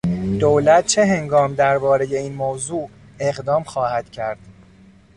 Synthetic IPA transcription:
d̪̥olæt̪̚t͡ʃʰeɦe̞ŋɡɒːmd̪æɾbɒːɾe̞je̞iːnmoːzuː | e̞ɣd̪ɒːmxɒːhæd̪̥cʰæɾd̪̥

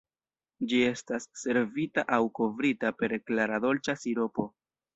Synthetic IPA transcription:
d͡ʒie̞stasːe̞ɾvitaʔawko̞vɾitape̞ɾklaɾado̞lt͡ʃasiɾo̞po̞

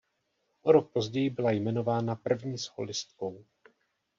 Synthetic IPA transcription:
ʔoɾok̚pozɟɛjɪbɪlajmɛno̞vaːnapr̩vɲiːsho̰lɪst̪̚ko̞w

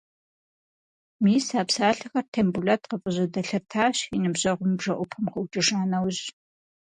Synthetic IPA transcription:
miːsaːpsaːɬɨxɐrtʰɐmbuɮɐtqəpʼəʑɐdɐɬɐrtʰaːɕinɨbʑɐʁʷʊmbʐɐʔʷʊpʰɐmχəwt͡ʃʼɪʂaːnɐwʑ

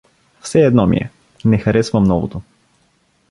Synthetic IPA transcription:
fsɛːd̪nɔmḭɛ̰ | nɛxɐɾɛsvəmnɔvo̰t̪o

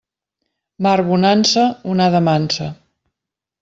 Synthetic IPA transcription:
maɾβunansəunaðəmansə

